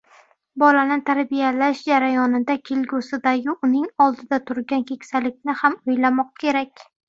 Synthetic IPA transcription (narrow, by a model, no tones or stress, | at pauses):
bɒlanɪt̪ʰaɾbijalaʃd͡ʒaɾajɒnɪd̪akʲʰelɡʊsɪd̪aɡʲɪʔʊnɪŋɒlˠd̪ɪd̪at̪ʰʊɾɡʲankʲʰe̞kʲsalɪk̚ʲnɪhamojlamɒq̚kʲʰe̞ɾakʲ